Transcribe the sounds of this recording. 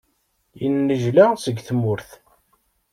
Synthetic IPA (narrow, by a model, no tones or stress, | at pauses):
jinːəʒlasəɡθmʊɾθ